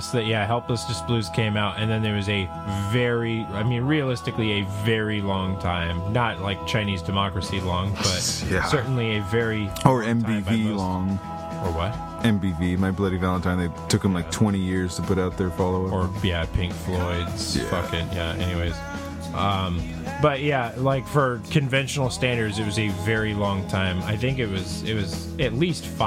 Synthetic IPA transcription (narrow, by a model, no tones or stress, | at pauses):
sðɨjæɦɛlˠpləsd̥ʌsb̥lʉz̥kʰẽɪ̃maʊtɨ̃nðɨ̃nðə˞wʌzɨ | vɛɹiaɪmĩnɹiɨlɪstɨkliɨvɛɹilɔ̃ŋtʰãɪ̃mnət̚laɪk̚t͡ʃʰãɪ̃nizdɨmɑkɹɨsilɔ̃ŋb̥ʌt̚æsɜ˞ʔn̩liɨvɛɹiə˞ɛ̃mbivilɔ̃ŋ | ə˞wʌt̚ | ɛ̃mbivimaɪblɛɾivælˠə̃ntʰãɪ̃nðeɪtʰʊkhɨ̃mlaɪktʰw̥ɛ̃ɾ̃ijɪɹz̥tʰəpʊɾaʊt̪̚ðə˞fɑlˠoʊʌə˞jæpʰɪ̃ŋkflɔɪdz̥fʌkɨ̃tjæ̰ɛ̰niweɪz̥ | ʔʌ̃m | b̥ʌt̚jælaɪkfə˞kʰɨ̃ɱvɛ̃nʃnl̩ˠstæ̃ndə˞dzɨt̚wʌzɨvɛɹilɔ̃ŋtʰãɪ̃ma̰ɪθɪ̃ŋkɨt̚wʌz | ɪt̚wʌz̥ | ɨtˡlistf